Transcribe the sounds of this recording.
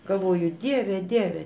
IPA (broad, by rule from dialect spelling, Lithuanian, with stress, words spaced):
ɡɐlˠˈʋoːjʊ ˈdʲiɛʋʲɛ ˈdʲiɛʋʲɛ